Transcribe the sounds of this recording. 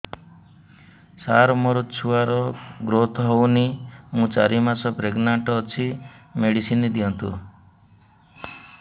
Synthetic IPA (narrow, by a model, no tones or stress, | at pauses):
saɾɔmoɾɔt͡ʃʰuaɾɔɡɾot̪ʰɔɦownimũt͡ʃaɾimasɔpɾeɡnaɳʈɔːt͡ʃʰimeɽisinid̪ijɔnt̪ṵ